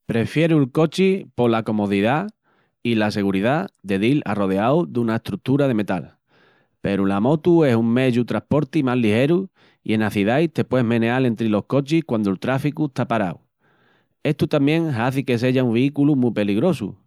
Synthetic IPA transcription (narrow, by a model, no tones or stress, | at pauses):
pɾe̞fje̞ɾulko̞t͡ʃipo̞lako̞mo̞ðiða | ilase̞ɣ̞uɾiðaðe̞ðila̰ro̞ðeawd̪unaeht̪ɾut̪uɾaðe̞me̞t̪a̰l | pe̞ɾulamo̞t̪ue̞suŋme̞ʝut̪ɾahpo̞ɾt̪imallːihe̞ɾu | ḭe̞naθiðajt̪e̞pwe̞ɦmẽ̞ne̞ale̞nt̪ɾilo̞hko̞t͡ʃihkwand̪olt̪ɾafikueht̪apaɾa̰w | e̞ht̪ut̪amjẽ̞ŋɦaθike̞s̬e̞ʝaumβiikulumupe̞liɣɾo̞sṵ